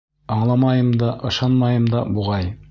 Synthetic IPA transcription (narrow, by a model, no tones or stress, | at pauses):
ɑɴlˠɑmɑjɤmd̪ɑʔɤ̆ʃɑnmɑjɤmd̪ɑbuʁɑj